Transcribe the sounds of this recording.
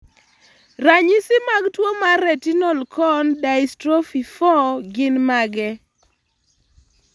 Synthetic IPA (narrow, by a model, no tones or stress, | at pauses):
raɲisɪmaɡtwomarɾɛtinɔlkʰɔndaistɾɔfifɔɡɪnmaɡɛ